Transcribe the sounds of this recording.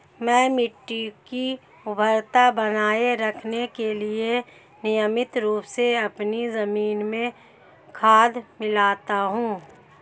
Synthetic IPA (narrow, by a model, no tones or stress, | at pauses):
mɛ̃ːmɪʈːiki | ʊbʱəɾt̪abɐnaːeɾɐkʰnekelie | nɪjəmɪt̪ɾuːpseɐpnizɐmiːnmẽ | kʰaːd̪mɪlaːt̪aɦũː